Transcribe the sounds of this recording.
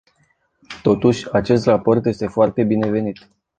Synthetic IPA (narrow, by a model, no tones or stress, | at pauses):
t̪o̞t̪uʃʲat͡ʃe̞st̪rapo̞rt̪je̞st̪e̞foart̪e̞bine̞ve̞nit̪